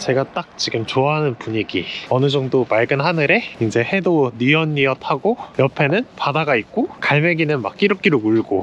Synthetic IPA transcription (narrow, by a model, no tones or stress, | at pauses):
t͡ɕe̞ɡat͈ak̚t͡ɕiɡɯmt͡ɕoaɦanɯnpuɲiɡiʌnɯd͡ʑʌŋdomaɭɡɯnɦanɯɾe̞ind͡ʑe̞he̞doniʌɲːiʌtʰaɡojʌpʰe̞nɯnpadaɡait̚k͈okaɭmeɡinɯnmak͈̚iɾok͈iɾouɭɡo